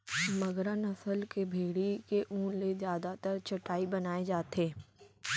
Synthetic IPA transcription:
mɐɡɾənɐsəlkebʱeːɽikeʔũːlezjaːd̪at̪əɾt͡ʃɐʈaːibɐnaːed͡ʒaːt̪eː

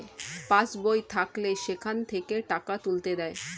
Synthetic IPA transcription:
pãsbojt̪ʰakleʃekʰant̪ʰekeʈakat̪ult̪ed̪ɛe

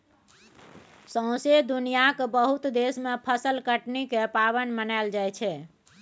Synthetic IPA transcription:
sə̃ʊ̃sed̪unijakbəɦut̪d̪esmepʰəsəlkəʈnikepaβənmənaɪld͡ʒajt͡ʃʰɛ

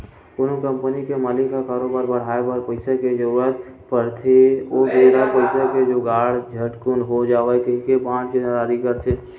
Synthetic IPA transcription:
konokə̃mpənikemaːlikakaːɾobaːɾbəɽ̤aːebaɾpəɪsaked͡ʒoə | pəɾt̪ʰeobeɾapəɪsaked͡ʒoɡaːɽ̤d͡ʒʱəʈkunɦod͡ʒaːʋɛkəɦĩkebãːd͡ʒkeəɾaːɾikəɾt͡ʃʰe

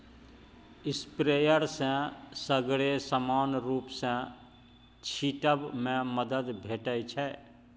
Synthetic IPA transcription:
ɪspɾejəɾsə̃səɡɽesəmaːnɾuːpsə̃ | t͡ʃʰiʈəbmẽməd̪əd̪bʱeːʈət͡ʃʰɛ

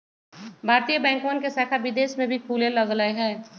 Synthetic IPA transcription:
bʱaːɾt̪ijəbɛ̃ːŋkoːənkesɛːkʰaʋɪd̪eːʃmẽbʱikʰuːlẽlɐɡləeɦɛ̃ː

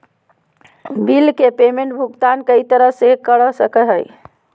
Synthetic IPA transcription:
bilkepemeɳʈbʱuɡt̪ankəit̪əɾəɦsekəɽəsəkəɦəj

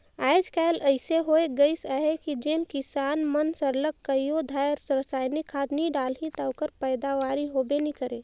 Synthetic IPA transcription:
aːɪd͡ʒkaɪləɪseɦoeɡəɪsaɦekid͡ʒeːnkɪsaːnmənsəɾləkːəjjod̪ʱajɾsɾəsaːjnikʰaːd̪niɖaːlɦit̪aʊkəɾpəɪd̪aʋaːɾiɦoːbenikəɾeː

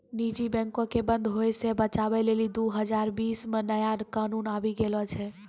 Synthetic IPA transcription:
nid͡ʒibɛ̃ŋkõkebə̃nd̪ʱɦojsebət͡ʃabɛlelid̪uɦəd͡ʒaɾbiːsmenəjakanuːnabiɡelɔt͡ʃʰɛ

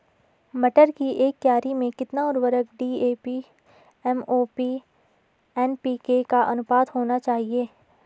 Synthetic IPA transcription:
mɐʈəɾkiʔeːk̚t̪jaːɾimẽkɪt̪naɔːɾʋəɾəɡɖiːeːpi | ɛmoːpiː | ɛːnpiːkekaʔɐnʊpaːd̪ɦoːnat͡ʃaːɦieː

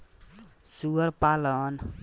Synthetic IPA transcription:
suəɾpalən

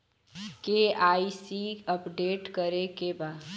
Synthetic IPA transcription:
keaːisiəpɖeːʈkəɾekebaːd̪

